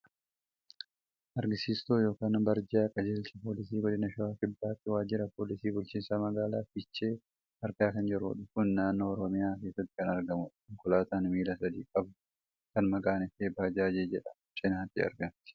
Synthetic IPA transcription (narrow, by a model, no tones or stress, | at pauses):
ʔɐɾɡɪsiːst̪oːjo̞ːkaːnbɐɾd͡ʒaːɐkʼɐd͡ʒɛlt͡ʃɛpoːlɪsiːɡɔd̪ɪnɐʃɐwaːkɪbːaːt̪ːɪwaːd͡ʒɪɾɐpoːlɪsiːbʊlt͡ʃiːnsɐmɐɡaːlaːfɪt͡ʃːeː | ɐɾkaːkɐnd͡ʒɪɾṵːᶑʊfʊnːaːnːo̞ːɔɾɔmɪjaːke̞ːsːɐt̪ːɪ̥kɐnɐɾɡɐmʊᶑŋkʊlaːt̪aːnmiːlɐsɐd̪iːkʼɐb̪ʊ | kɐnmɐɡʼaːnɪfeːbaːd͡ʒaːd͡ʒeːd͡ʒɛᶑɐ̥ | t͡ʃʼɪnaːt̪ːɪɐ̰ɾɡɐmt̪ɪ̥